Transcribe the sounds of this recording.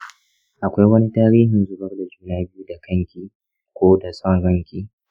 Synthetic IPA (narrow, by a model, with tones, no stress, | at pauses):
ʔa˨kʷa˦jwɐ˦ni˦taː˦ɾiː˦ɦɪ˨nzʊ˦˨bɐ˦rda˨d͡ʒuː˦naː˦bɪ˦ju˦da˨kɐ˦ŋkʲiː˨ | kʷoː˦da˨sɐ˦˨ŋɽɐ˦ŋkʲiː˦